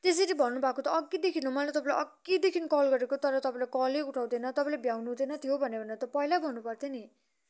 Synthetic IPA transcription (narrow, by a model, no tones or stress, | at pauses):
t̪es̬eɾibʱʌnːubʱakot̪ʌːɡːid̪ekʰinɦomʌlat̪ʌpãlaʔʌɡid̪ekʰinʌkʌlɡʌɾekot̪ʌɾʌt̪ʌpaĩlakʌleuʈʰaw̃d̪enʌt̪ʌpãĩlebʱjawnud̪enʌt̪ʰijobʱʌnebʱʌneʌt̪ʌpʌilabʱʌnːupʌrt̪ʰeni